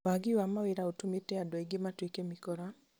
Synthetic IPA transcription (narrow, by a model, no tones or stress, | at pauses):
waɡiwamaweɾaotumetɛadwaiɡematwekemikɔɾa